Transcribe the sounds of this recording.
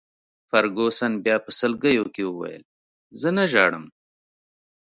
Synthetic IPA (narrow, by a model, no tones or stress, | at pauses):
fɐɾɡosɐnbjɑːpəsəlɡəjokewuwa̰jə̰l | zənaʒɑːɽəm